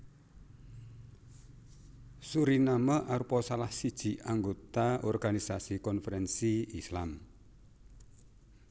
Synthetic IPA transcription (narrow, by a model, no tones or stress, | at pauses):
suɾinaməʔaɾupɔsalahsid̥ʒ̥i̤aŋɡot̪aɔrɡ̥anisasikɔnfəɾɛnsiislam